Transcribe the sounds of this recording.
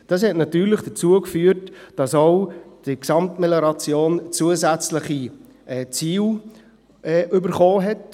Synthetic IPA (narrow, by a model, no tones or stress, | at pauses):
d̥ɑs̬hɛtnɑtyːɾləχd̥ət͡suəkfyːəɾtd̥ɑsoʊd̥iksɑmtmeleɾɑt͡sjoːnt͡suəzæt͡sləχi | ʔɛt͡siːl | ɛʔʏbəɾχoːɦɛt